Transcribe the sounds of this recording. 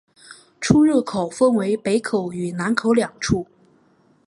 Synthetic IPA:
ʈ͡ʂʰu˥ɻɤ˥˩kʰo˨˩ʊfə˥nwe˧˥ɪpe˧˥ɪkʰo˨˩˦ʊy˨˩na˧˥nkʰo˨˧˥ʊljɑ˨˩ŋʈ͡ʂʰu˥˩

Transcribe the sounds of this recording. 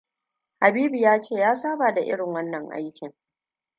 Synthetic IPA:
ha˨biː˦bi˨jaː˦t͡ʃeː˦˨jaː˦saː˦baː˨da˨ʔɪ̰˦ɽɪ˨ŋwɐ˦nːɐ˨ŋʔa̰˦jkʲɪ˨ŋ

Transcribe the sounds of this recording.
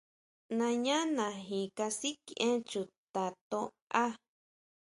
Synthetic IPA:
nã˧ɲã˦nã˨ɦĩ˨ka˧si˦ki˧ʔẽ˦t͡ʃu˨t̪a˨t̪õ̰˧ | a˦

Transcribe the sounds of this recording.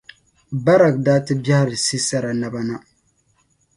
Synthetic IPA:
ba˦ɾa˨ɡ̚daː˦tɨ˦bja˦ha˦ɾɨ˨si˦sa˦ɾa˨na˦ba˦na˦

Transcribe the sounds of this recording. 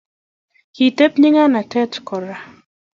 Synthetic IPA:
ki˨t̪e˦pɲɪ˦ŋa˦na˨tʰɛ˦tkɔ˨ɾa˨

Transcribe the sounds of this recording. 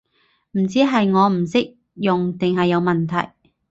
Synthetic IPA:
m̩˨˩t͡siː˨˥ɦɐ˨jŋɔː˨˧m̩˨˩sɪ˥k̚ | jʊ˨ŋt̪ɪ˨ŋɦɐ˨jːɐ˨˧wmɐ˨nt̪ʰɐ̰˨˩j

